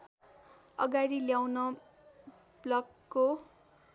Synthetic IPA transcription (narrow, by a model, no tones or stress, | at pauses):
ʌ̰ɡaɾiljawnʌ | blʌɡːo